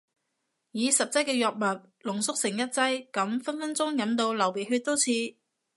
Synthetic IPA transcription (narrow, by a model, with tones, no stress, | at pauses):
jiː˨˧sɐ˨p̚t͡sɐ˥j̚kɛː˧jɔː˨˩k̚mɐ˨p̚ | lʊ˨˩ŋsʊ˥k̚sɪ˨˩ŋjɐ˥t̚t͡sɐ˥jkɐ˨˥mfɐ˥nfɐ˥nt͡sʊ˥ŋjɐ˨˥mt̪o˧wlɐ˨˩wpe˨˩jɦɵ˧t̪o˥wt͡sʰiː˧